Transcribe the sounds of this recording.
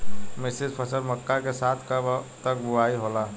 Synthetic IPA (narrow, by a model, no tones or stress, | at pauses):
mɪsɪd͡ʒpʰəsəɾməkːakesaːt̪ʰkət̪əkbuaːiɦolaː